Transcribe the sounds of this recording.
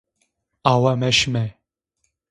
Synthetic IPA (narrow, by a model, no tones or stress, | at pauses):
awamɛʃmɛ